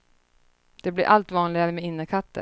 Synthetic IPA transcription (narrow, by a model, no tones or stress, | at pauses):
d̪̥ɛblɪɾʔalt̪vɑːnlɪɡaɾəmɛɪnːəkʰat̪ːə̰